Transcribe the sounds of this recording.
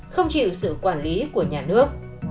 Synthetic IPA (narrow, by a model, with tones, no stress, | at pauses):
xə˧wŋ͡mt͡ɕḭ˧˨wsɨ̰˧˨kwaː˧˩nli˨˦ku˧˩əɲaː˨˩nɨ˦˥ək̚